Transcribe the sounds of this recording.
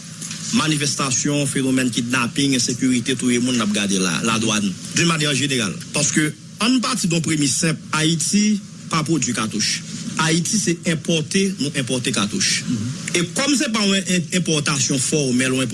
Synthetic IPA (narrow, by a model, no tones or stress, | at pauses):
manifɛst̪asjɔ̃fenomɛnkidnapĩŋɡɛ̃sekyʁit̪et̪ujemũnlap̚ɡadela̰la̰d̪wandynmanjɛʁʒeneʁa̰lpaʁskø | ãnp̬aʁtid̪ɔ̃pʁemisɛ̃paiti | papʁod͡zɥikat̪uʃaitisɛɛ̃pɔʁt̪enũʔɛ̃p̬ɔʁt̪ekat̪uʃekɔmsɛp̬aɔ̃ɛ̃pɔʁt̪asjɔ̃fɔʁmɛlɔ̃ɛ̃p